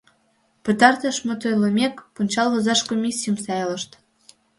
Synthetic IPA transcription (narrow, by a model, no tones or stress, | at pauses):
pə̆t̪ɑrt̪ə̆ʃmə̆t̪ojləmʲekpunʲt͡ɕɑlˠβɤ̆zɑʃkomʲisʲːijəmsɑjlə̆ʃt̪